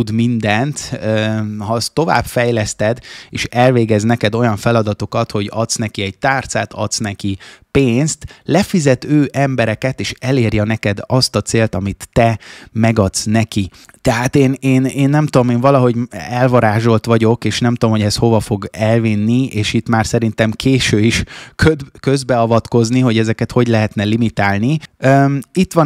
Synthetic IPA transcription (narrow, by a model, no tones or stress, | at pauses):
ud̪mind̪ɛnt̪øːhɒst̪o̞va̰ːbfɛjlɛst̪ɛd̪eːʃɛlveːɡɛznɛkɛd̪o̞jɒɱfɛlɒd̪ɒt̪okɒt̪ho̞ɟɒt̪snɛkiɛɟ̚t̪aːrt̪sa̰ːt̪ɒ̰t̪snɛkipeːnst̪lɛfizɛt̪øːʔɛmbɛɾɛkɛt̪eːʃɛleːrjɛnɛkɛd̪ɒst̪ɒt̪seːlt̪ɒmit̪ːɛmɛɡɒt̪snɛki | t̪ɛɦaːt̪eːneːneːnːɛmt̪uomeːɱvɒlɒɦo̞ɟɛlvɒɾaːʒo̞lt̪ʋɒɟo̞keːʃnɛmt̪uomɦo̞ɟɛshovɒfo̞ɡɛlvinːieːʃit̪maːrsɛɾint̪ɛmkʰeːʃøːiʃkøkøzbɛɒvɒt̪ko̞zniɦo̞ɟɛzɛkɛt̪ho̞ɟlɛɦɛt̪nɛlimit̪aːlniøːit̪ʋɒ